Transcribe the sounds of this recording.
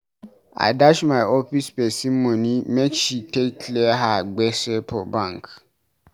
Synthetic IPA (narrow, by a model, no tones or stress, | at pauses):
a̰daʃmãɪɔfispɛsimõnĩmɛ̃t͡ʃitekʰlɛɦaɡ͡bɛsɛpʰɔbãŋk